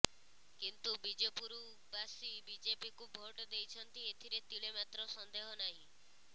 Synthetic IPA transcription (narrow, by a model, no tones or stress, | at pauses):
kint̪ubid͡ʒepuɾu | basibid͡ʒepikubʱoʈɔd̪ejt͡ʃʰɔnt̪iet̪ʰiɾet̪iɭemat̪ɾɔsɔnd̪eɦɔnaɦĩ